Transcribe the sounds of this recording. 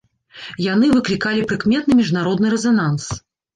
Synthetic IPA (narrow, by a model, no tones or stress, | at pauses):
jan̪ɨvɨklʲikalʲipɾɨkmʲɛt̪̚nɨmʲiʐnaɾɔd̪nɨɾɛzanans